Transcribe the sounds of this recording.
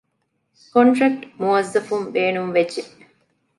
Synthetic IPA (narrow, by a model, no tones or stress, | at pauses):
koɳʈɾɐk̚ʈmuɐzːɐfumʋeːnumʋed͡ʒe